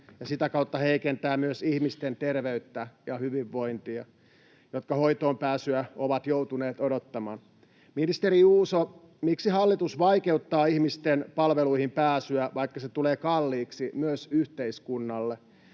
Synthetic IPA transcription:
jɑsit̪ækɑut̪ːɑheikent̪æːmyøsihmist̪ent̪erʋeyt̪ːæjɑhyʋiʋːo̞int̪iɑ | jot̪kɑhoit̪oːmpæːsyæoʋɑt̪jout̪uneːt̪odot̪ːɑmɑːn | minist̪eɾiuːso | miksihɑlːit̪usʋɑikeut̪ːɑːihmist̪enpɑlʋeluihimpæːsyæʋɑikːɑset̪uleːkɑlːiːksimyøsyht̪eiskunːɑlːe

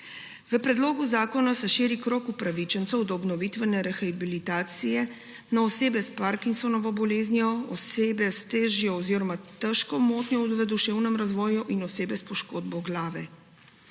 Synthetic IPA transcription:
ʋəpɾɛd̪loːɡuzaːkɔnasɛʃiːɾikɾoːkupɾaʋit͡ʃɛnt̪sɛwd̪ɔɔbnɔʋit̪ʋɛnɛɾɛxabilit̪aːt̪sijɛ | naɔseːbɛspaɾkinsɔnɔʋɔbɔleːznijɔɔseːbɛst̪eːʒjɔɔziɾɔmat̪əʃkɔmoːt̪nʲjɔʋəd̪uʃewnɛmɾazʋɔːjuʔinɔseːbɛspɔʃkoːd̪bɔɡlaːʋɛ

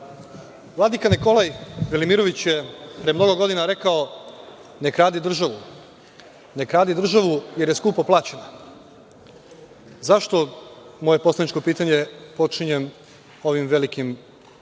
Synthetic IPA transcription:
ʋlˠad̪ikaniko̞lajʋelimiɾo̞ʋit͡ɕjepɾemno̞ɡoɡo̞d̪inaɾe̞kao | ne̞kɾaːd̪id̪r̩ʒaʋu | ne̞kɾaːd̪id̪r̩ʒaʋuje̞ɾjeskuːpaplˠaːt͡ɕena | zaʃt̪o̞mo̞je̞po̞slˠad̪nit͡ʃko̞piːt̪aɲe̞po̞t͡ʂiɲem | o̞ʋimʋe̞likim

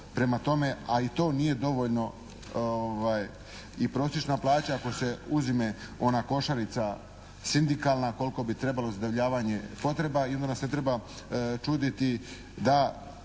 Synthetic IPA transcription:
pɾe̞mat̪o̞me̞ait̪o̞ːnije̞d̪o̞ʋo̞ʎno̞ | oʋaj | ipɾo̞ːsjet͡ʃnaplˠaːt͡ɕaako̞se̞uzimeo̞nako̞ʃaɾit̪sa | sind̪ikalˠnako̞lko̞bit̪ɾe̞balo̞zad̪oʋʎaːʋaɲe̞po̞t̪ɾe̞baiond̪anasnet̪ɾe̞ba | t͡ʃuːd̪it̪i | d̪a

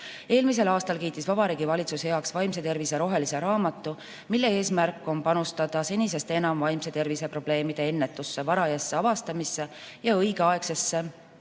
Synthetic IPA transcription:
e̞ːlmis̬e̞lɑːst̪ɑlkiːt̪ːˑisvɑb̥ɑɾiːɡ̥ivɑlʲit̪susheɑksvɑjmse̞t̪e̞rvise̞ɾo̞ɦe̞lise̞ɾɑːmɑt̪ˑːu | milːe̞e̞ːsmærkːˑo̞npɑnust̪ɑd̪̥ɑse̞nʲise̞st̪e̞nɑmvɑjmse̞t̪e̞rvise̞pro̞b̥le̞ːmid̪̥e̞e̞nːet̪ːˑusːe̞vɑɾɑjɑsːe̞ɑvɑst̪ɑmisːe̞jɑɤjɡ̥eɑe̞kse̞sːe̞

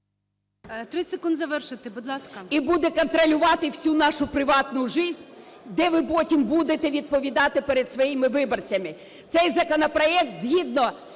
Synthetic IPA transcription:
t̪ɾɪsekund̪zɐʋɛrʃɪt̪ɪbud̪lˠɑskɐibud̪ɛkɔnt̪ɾɔlʲʊʋɑt̪ɪwsʲunɑʃʊpɾɪʋɑt̪nʊʒɪzʲ | d̪ɛʋɪpɔtʲimbud̪et̪ɛʋʲid̪̚pɔʋʲid̪ɑt̪ɪpɛɾed̪sʋɔjimɪʋɪbɔrt͡sʲɐmɪ | t̪sɛjzɐkɔnɔpɾɔɛk̚t̪zʲɦʲid̪nɔ

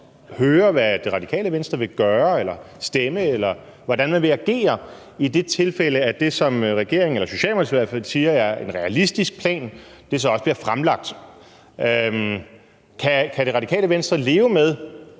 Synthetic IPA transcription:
høːɐʋæd̥e̝ʁɑdikʰɛ̰ːləʋensd̥ʁɐʋe̝ɡ̥ɶːɐelɐ | sd̥eməelɐ | ʋɒ̽dænmænʋe̝æɡ̥e̝̰ːɐ | id̥e̝t͡sʰe̝lfeləæd̥e̝sɒ̽mʁɛɡ̥e̝ɐ̰e̝ŋ̩elɐso̝ɕɛ̰ːlmoð̩ˠsʋæɐ̰fæl̰siːɐjɑ̈ɪe̝nʁɛælisd̥isɡ̥̚pʰlɛ̰ːnd̥e̝s̬ɒ̽ɒ̽səb̥liːɐfʁamlɑ̈ɡ̥̚d̥ | kʰækʰæɾ̥e̝ʁɑ̈d̥ikʰɛ̰ːləʋensd̥ʁɐle̝ːʊəmeð̞ˠ

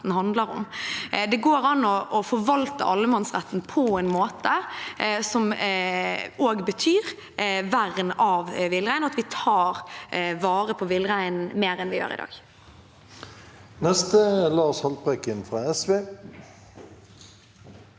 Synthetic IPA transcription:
n̩hɑnd̪ləɾʊ̰md̪ɛɡoːɾɑnːɔʔɔfɔɾʋɑlt̪ə̰ʔɑlːəmɑnsʁæt̪ːn̩pʰɔɛnmoːt̪ə | sɔm | oːɡbət̪ʰyːɾ | ʋæɾənɑʋʋɪlʁæɪnɔɑt̪ʋɪt̪ʰɑːɾʋɑːɾəpʰɔʋɪlʁæɪn̩meːɾɛnʋɪjø̰ːʁɪ̰d̪ɑ̰ːɡ | nɛst̪əlɑːshɑl̚bʁɛkɪnfɾɑɛsʋeː

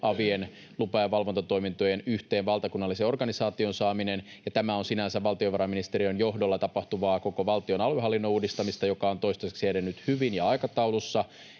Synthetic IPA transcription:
ʔɑʋien | lupɑjɑʋɑlʋo̞nt̪ɑt̪o̞imint̪ojenyht̪eːnʋɑlt̪ɑkunːɑlːiseo̞rɡ̥ɑnisɑːt̪io̞nsɑːminen | jɑt̪æmæonsinænsæʋɑlt̪ioʋɑɾɑminist̪eɾionjoɦdolːɑt̪ɑpɑht̪uʋɑːko̞koʋɑlt̪io̞nɑlyɦɑlːinːouːdist̪ɑmist̪ɑjokɑo̞nt̪oist̪ese̥ksiæɾenːyt̪hyʋinjɑɑjkɑt̪ɑulusːɑ

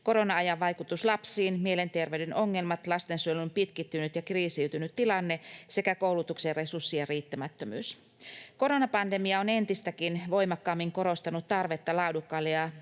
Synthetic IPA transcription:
ko̞ɾo̞nɑɑjɑʋːɑjkut̪uslɑpsiːnmiele̞nt̪erʋeydenʔo̞ŋːe̞lmɑt̪lɑst̪ensyelympit̪kit̪ːynyt̪jɑkriːsiwt̪ynyt̪tːilɑnːe̞se̞kæko̞uwlut̪ukserresusːijɑriːt̪ːæmæt̪ːømy̰ːs | ko̞ɾonɑpɑnde̞miɑo̞ne̞nt̪ist̪ækinʋo̞jmɑkːɑːmːiŋko̞ɾo̞st̪ɑnut̪t̪ɑrʋe̞t̪ːɑlɑudukːɑlːeɑ

